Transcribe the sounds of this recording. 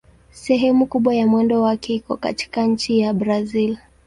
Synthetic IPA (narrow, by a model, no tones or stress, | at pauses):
sɛɦɛmukuɓwajamwɛndɔwakɛikɔka̰ti̥kaɲ̩t͡ʃijabɾazil